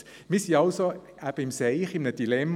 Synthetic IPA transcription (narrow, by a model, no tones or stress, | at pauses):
misiɑlso | æb̥əimseɪχimnəd̥ilɛmː